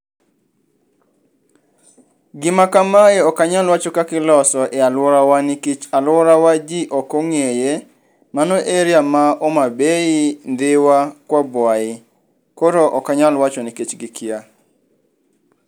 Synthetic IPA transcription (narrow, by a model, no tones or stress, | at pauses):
ɡɪmakamaeɔkaɲalwat͡ʃokakɪlɔsɔʔɛalwɔɾawanɪkit͡ʃalwɔɾawad͡ʒiʔɔkoŋeje | manoʔeɾjamaomabeind̪ɪwakwɔbwaɪ | koɾoʔɔkaɲalwat͡ʃoniket͡ʃɡɪkʰia